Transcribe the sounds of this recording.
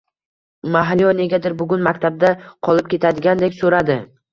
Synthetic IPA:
maɦalijɒneɡʲad̪ɪɾbʊɡʲʊnmakʲt̪ʰab̚d̪aqʰɒlˠɪp̚kʲʰe̞t̪ʰad̪ɪɡʲand̪ekʲsoɾad̪ɪ

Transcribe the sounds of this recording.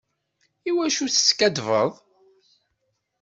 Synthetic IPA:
iwæʃuθə̥skæd̪vəðˤ

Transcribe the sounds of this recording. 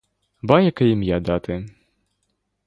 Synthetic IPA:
bajɐkɐjimjad̪at̪ɪ

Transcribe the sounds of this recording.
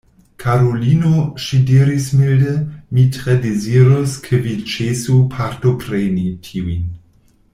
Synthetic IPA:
kʰaɾolinoʃidiɾismildemitɾedeziɾoskʰevit͡ʃesupʰaɾtopɾenitʰiuin

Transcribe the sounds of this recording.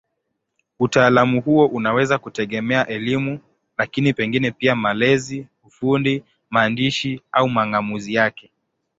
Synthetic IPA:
utaːlamuhuɔʔunawɛzakutɛɠɛmɛaʔɛlimu | lakinipɛŋɡinɛpiamalɛziufundi | maːndiʃiaumaŋɡamuzijakɛ

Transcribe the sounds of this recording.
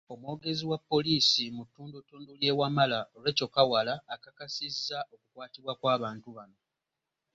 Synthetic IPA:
o̞mwo̞ːɡe̞ziwapːo̞liːsimutːuːndutːuːndulje̞ːwamalaole̞ːco̞kawalaːkakasizːao̞kukwaːtiβwakwaːβaːntuβano̞

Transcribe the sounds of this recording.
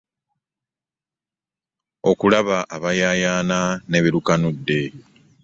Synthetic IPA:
o̞kulaβaʔaβajaːjaːnane̞βiɾukanudːe̞

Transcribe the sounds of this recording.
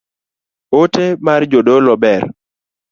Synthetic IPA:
otemard͡ʒodolɔbɛr

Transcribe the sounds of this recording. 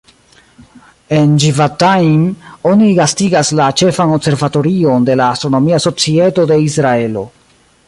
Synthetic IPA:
e̞nd͡ʒivatajmo̞niɡastiɡaslat͡ʃe̞fanose̞ɾvato̞ɾio̞nde̞laːstɾo̞no̞miaso̞t͡sie̞to̞de̞isɾae̞lo̞

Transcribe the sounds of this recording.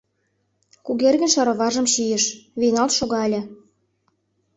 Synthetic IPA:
kuɣerɣə̆nʃɑɾɤ̆βɑʒə̆mɕijĕʃβinɑlt̪ʃoɣɑelʲĕ

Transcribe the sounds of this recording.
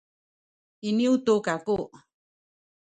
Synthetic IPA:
iniutukakuʔ

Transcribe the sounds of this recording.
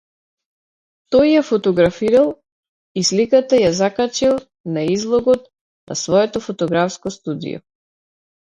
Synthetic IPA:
t̪ɔjːafɔt̪ɔɡɾafiɾalˠ | islikat̪ajazakat͡ʃilˠ | naizlˠɔɡɔt̪̚ | nʔa̰svɔɛt̪ɔfɔt̪ɔɡɾafskɔst̪ud̪ḭjɔ̰

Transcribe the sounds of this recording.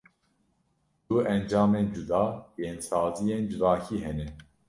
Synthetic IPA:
d̪̥uɛnd͡ʒɑːmeːnd͡ʒud̪ɑːjeːnsɑːzijeːnd͡ʒɨvɑːkʰiːɦɛnɛ

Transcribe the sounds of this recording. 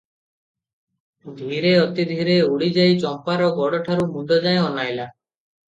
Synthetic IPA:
d̪ʱiɾeɔt̪id̪ʱiɾeuɽid͡ʒajt͡ʃɔmpaɾɔɡɔɽɔʈʰaɾumund̪ʱɔd͡ʒajɔnajla

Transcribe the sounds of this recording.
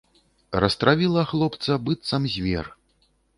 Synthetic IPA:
rɐst̪ɾavʲilˠɐxlˠɔpt̪sɐbɨt̪sɐmzʲvʲɛ̰r

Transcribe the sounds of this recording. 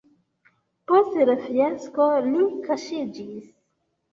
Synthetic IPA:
postɾefieskolikaʃid͡ʒis

